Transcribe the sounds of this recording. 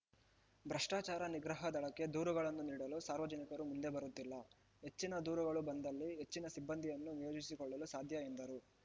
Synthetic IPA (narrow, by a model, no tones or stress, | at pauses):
bɾɐʂʈaːt͡ʃaːɾɐniɡɾɐɦɐd̪ɐɭɐkːe̞d̪uːɾɐɡɐɭɐnːuniːɽɐlusaːɾʋɐd͡ʒɐnikɐɾumund̪e̞bɐɾut̪ːilːɐ | ɦe̞t͡ʃːinɐd̪uːɾɐɡɐɭubɐnd̪ɐlːiɦe̞t͡ʃːinɐsibːɐnd̪ʱijɐnːunijoːd͡ʒisikɔɭːɐlusaːd̪ʱjɐind̪ɐɾu